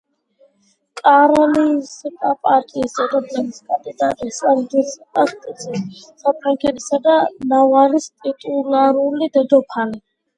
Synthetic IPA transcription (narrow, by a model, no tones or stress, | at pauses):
kʼaɾalisikʼapʼaɾt̪ʼiːsd̪ɛd̪ɔblɛniskʼand̪id̪at̪ʼisald̪iskʼast̪ʼisʼisapʰɾaŋkʰɛɾʰisad̪anavalist̪ʼit̪ʼulaɾulid̪ɛd̪ɔpʰali